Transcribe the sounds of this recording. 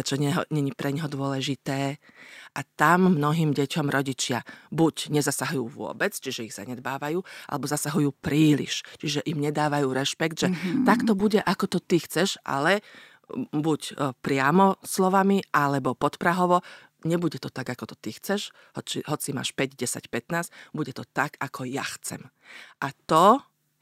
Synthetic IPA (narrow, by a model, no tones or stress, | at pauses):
ɛt͡ʃɔɲɛɦɔɲɛɲipɾɛɲɦɔd̪ʊɔlɛʒit̪ɛː | ʔat̪amːnɔɦiːmɟɛcɔmɾʔɔɟit͡ʃɪabuɟɲɛzasaɦujuːʋʊɔ̰bɛt͡st͡ʃiʒɛiɣz̥a̰ɲɛd̪baːʋajuːa̰lɛbɔzasaɦujuːpɾiːlḭʃt͡ʃiʒɛʔimɲɛd̪aːʋajuːɾɛʃpɛɡd̪ʒɛt̪akt̪ɔbuɟɛʔakɔt̪ɔt̪ixt͡sɛʒʔa̰lɛ | bucpɾɪamɔslɔʋamiʔalɛbɔpɔt̪pɾaɦɔʋɔ | ɲɛbuɟɛt̪ɔt̪aɡakɔt̪ɔ̥t̪ixt͡sɛʃ | hɔt͡ʃiɦɔt͡sima̰ːʃpɛɟɟɛsa̰cpɛt̪naːzbuɟɛt̪ɔt̪aɡakʰɔjaxt͡sɛ̰mʔat̪ɔ